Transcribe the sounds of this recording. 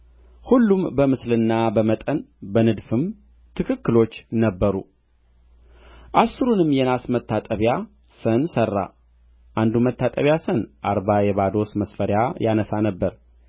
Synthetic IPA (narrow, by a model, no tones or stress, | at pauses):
hulːumbəmɨslɨnːabəmət̪ʼənbənɨd̪fɨm | t̪ʰɨkʰɨkːɨlo̞t͡ʃːnəbːəɾṵ | ʔasːɨɾunɨmjɛnasmət̪ʰːat̪ʼəβja | sənsərːa̰ | ʔand̪umət̪ʰːat̪ʼəβjasənʔaɾbajɛβad̪o̞sməsfəɾjajanəsanəbːəɾ